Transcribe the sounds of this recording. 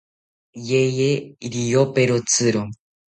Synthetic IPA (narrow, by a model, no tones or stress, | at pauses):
jejeiɾijopeɾot͡sɨɾo